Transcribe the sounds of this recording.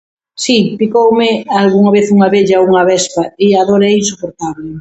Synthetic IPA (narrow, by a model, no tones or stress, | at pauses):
sipikowmɪalɣuŋɐβeθuŋɐβeʎɐuŋɐβɛspɐɪaðoɾɛinsupoɾt̪aβlɪ